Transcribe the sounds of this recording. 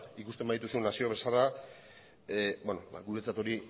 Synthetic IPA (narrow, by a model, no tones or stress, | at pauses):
ikust̪e̞mbaðit̪̬usunasio̞β̞e̞sala | bonoba̰ɡuɾet͡sat̪o̞ɾi